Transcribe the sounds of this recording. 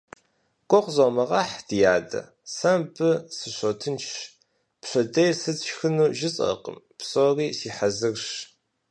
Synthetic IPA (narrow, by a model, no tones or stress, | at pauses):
kʷʼɔqʷzomɐʁɑħd̥ijaːdɐ̰ | sɐmbɨsɨɕʷotʰɨnt͡ʃʰ | pɕɐdɐjsɨt͡sʃxɨnuːʒɪt͡sʼɐ̰qə̰m | psʼoːriːsiːħazɨrʃ